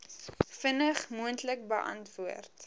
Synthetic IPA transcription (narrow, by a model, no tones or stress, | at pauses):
fənəχmuəntlək̚bəʔɐ̰ntvuərt